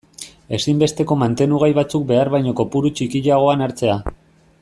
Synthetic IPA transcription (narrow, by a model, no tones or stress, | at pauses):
e̞simbe̞st̪e̞ko̞mant̪e̞nuɣajβat͡suk̚be̞aɾβajɲoko̞puɾut͡ʃikiʎaɣ̞o̞anaɾt͡se̞a